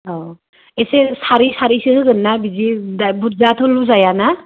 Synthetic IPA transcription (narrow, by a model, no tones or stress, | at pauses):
ɔ | esesaɾisaɾisɯɯɡɯnːabizidabut̚zatʰɔluzajana